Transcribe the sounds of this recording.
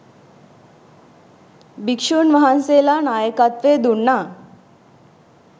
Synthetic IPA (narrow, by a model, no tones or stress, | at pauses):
bikʂunʋəɦanselanajəkat̪ʋed̪uɳːa